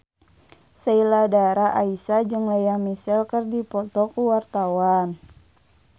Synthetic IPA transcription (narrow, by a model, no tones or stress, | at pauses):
sailadaɾaʔaisad͡ʒɨŋlajamisɛlkərdipɔt̪ɔkuwart̪awan